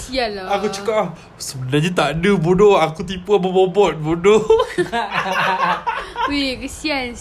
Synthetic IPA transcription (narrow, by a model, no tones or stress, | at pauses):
sialakut͡ʃəkap̚lah | səbənaɲat̪aʔdəbunoakut̪̬ipuabəbobɔt̪̚buno | ikəsian